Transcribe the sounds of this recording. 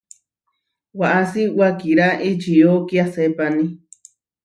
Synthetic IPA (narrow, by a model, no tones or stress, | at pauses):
waʔasiwakiɾaʔit͡ʃiokiasepani